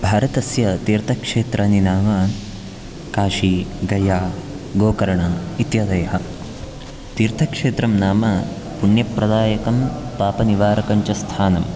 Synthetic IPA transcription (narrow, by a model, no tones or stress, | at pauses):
bʱaːɾɐt̪ɐsjɐt̪iːɾt̪ʰɐkʂeːt̪ɾʔɐninaːmɐ | kaːʃiɡɐjaː | ɡoːkɐɾɐɳɐit̪jɐd̪ɐjɐɦɐ | t̪iːɾt̪ʰɐkʂeːt̪ɾɐmnaːmɐ | puɳjɐpɾɐd̪aːjɐkɐmpaːpɐniʋaːɾɐkɐɲt͡ʃɐst̪ʰaːnɐm